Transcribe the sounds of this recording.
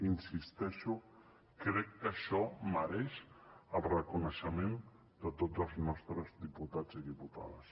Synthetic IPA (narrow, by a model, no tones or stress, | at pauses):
insist̪ɛʃu | kɾɛkːəʃɔməɾɛʃəlrəkunəʃəmẽn | d̪ət̪ozəlˠznɔst̪ɾəzðiput̪ad͡ziðiput̪a̰ðəs